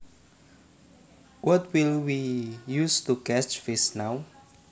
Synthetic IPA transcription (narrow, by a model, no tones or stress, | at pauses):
wɔt̚wilwijust̪ukɛt͡ʃfɪsnaw